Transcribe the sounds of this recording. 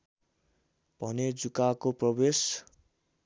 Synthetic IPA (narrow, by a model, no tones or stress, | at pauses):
b̥ʱʌned͡zukakoprʌbes